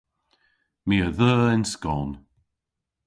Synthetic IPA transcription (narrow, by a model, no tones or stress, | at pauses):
miəðəːɪnskɔːn